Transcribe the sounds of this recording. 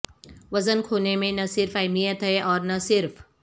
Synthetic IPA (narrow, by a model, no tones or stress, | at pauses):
ʋɐzənkʰoːnemẽnɐsɪɾfaːɪmijət̪ɦeʔɔːɾnɐsɪɾf